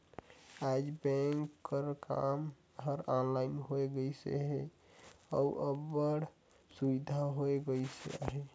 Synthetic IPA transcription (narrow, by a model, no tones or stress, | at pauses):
ad͡ʒbɛ̃ŋkːəɾka̰m | ɦəɾanlainɦoeɡəjsḛɦe | ɔ̰uʔəbəɽ | subid̪ʱaɦoeɡəjsḛɦe